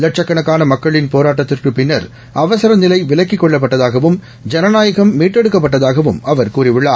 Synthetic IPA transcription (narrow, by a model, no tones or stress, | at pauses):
lɐʈ̚t͡ʃɐkːɐɳɐkːaːnɐmɐkːɐɭɪnpoːɾaːʈːɐt̪ːɪrkɯpɪnːɐɾ | ɐʋɐsɐɾɐnɪlɐɪʋɪɭɐkːɪkːɔɭːɐp̬ːɐʈːɐðaːɣɐʋɯm | d͡ʒɐnɐnaːjɐɣɐmːiːʈːɛɽɯkːɐp̬ːɐʈːɐðaːɣɐʋɯmɐʋɐɾkuːrɪʋɪɭːaː